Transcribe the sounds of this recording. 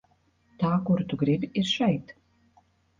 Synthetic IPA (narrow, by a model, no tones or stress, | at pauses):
t̪aːkuɾt̪uɡɾibʲiɾʃɛjt̪